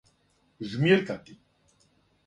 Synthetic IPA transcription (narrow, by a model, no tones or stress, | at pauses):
zmjeɾk̪at̪i